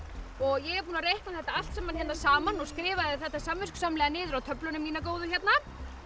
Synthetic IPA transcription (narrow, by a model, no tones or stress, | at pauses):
ɔɣjɛɣɛɾpuːnarejhknaθɛht̪aal̥t̪sɛmançɛt̪asaːmanɔɣskɾɪːvaðɪθɛht̪ːasamvɪsksamlɛːɣanɪːðʏɾawt̪ʰœplʏnʏmiːnakoːwðʏçjɛt̪na